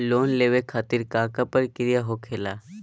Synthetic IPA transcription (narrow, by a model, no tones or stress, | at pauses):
lonleʋekʰat̪iːɾkakapəɾkiɾijaɦokʰela